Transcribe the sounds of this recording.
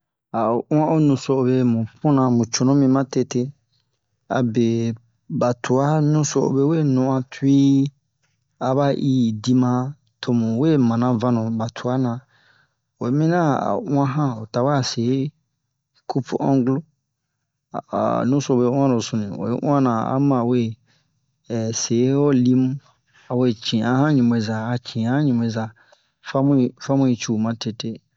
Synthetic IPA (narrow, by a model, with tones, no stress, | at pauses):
a˨o˨ʔũ˦ã˦o˦nũ˨so˦o˨be˧˦mũ˨pũ˦nã˧mũ˨t͡ʃo˨nõ˦mĩ˧mã˦te˦˧te˦ | a̰˨be˨ | ba˨tu˨a˦nũ˦so˦o̰˨be˦we˦nũ˨ã˧tʰu˦i˦ | a˨βa˦ʔi˦di˧mã˦ | tʰo˨mũ˨we˦mã˨nã˨vã˦nũ˨ba˨tʰu˨a˦nã˨ | wo˨˦mĩ˦nã˦a̰˨ʔũ˦ã˦ɦã˦o˨ta˨ba˦a˦˨se˨˦ | kʰu˦pʰṵ˦ʔɔ̃˦ɡlo˦˨ | nũ˦so˦˨be˦w̃ã˦nõ˨sũ˨nĩ˨wḛ˨˦ʔṵ̃˦ã˦nã˨a̰˦mã˨we˦˨ | se˨˦ɔ˦li˦m˦ | a˨we˦˨t͡ʃĩ˨a˦hã˦ɲĩ˨m˨e˨za˨a˨t͡ʃʰĩ˨a˦ã˦ɲĩ˨m˨e˨za˨ | fa˦m̃˦˨fa˦mũ˦i˨˦t͡ʃu˦˨mã˦tʰe˨te˦